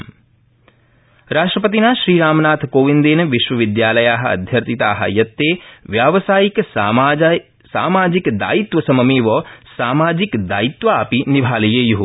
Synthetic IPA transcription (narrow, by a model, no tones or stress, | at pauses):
ɾaːʂʈɾɐpɐt̪inaːʃɾiːɾaːmɐnaːt̪ʰkoːʋind̪eːnɐʋiʃʋɐʋid̪jaːlɐjaːɦɐ̆ɐ̰d̪ʱjɐɾt̪it̪aːɦɐ̰jɐt̪ːeːʋjaːʋɐsaːjik | sa̰ːmaːd͡ʒikd̪a̰ːjit̪ʋɐsɐmɐmeːʋɔːsaːmaːd͡ʒikd̪aːjit̪ʋɐaːpinibʱaːlɐjeːjuɦu